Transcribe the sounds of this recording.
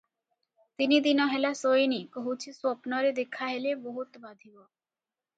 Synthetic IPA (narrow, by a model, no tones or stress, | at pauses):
t̪inid̪inɔɦɛlasojnikoɦut͡ɕʰisɔpnɔɾed̪ekʰaɦeleboɦut̪bad̪ʱibo